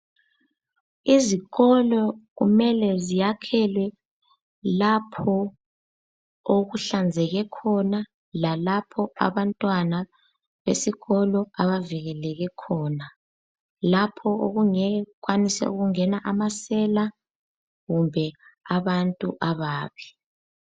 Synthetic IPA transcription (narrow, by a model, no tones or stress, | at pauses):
iziɣɔlɔɣṵmɛlɛzijakʰɛlwɛ | lapʰɔ | oɣuɬand͡zʱɛɣɛkʰɔna | lalapʰɔa̰βantʼwana | βḛsiɣɔlɔaβaviɣɛlɛɣɛkʰɔːna | lapʰɔoɣuŋɛɣwanisɛ̰ṵɣuŋɛnaʔamasɛla | ɣumbʱɛaβantʼuʔaβaːβi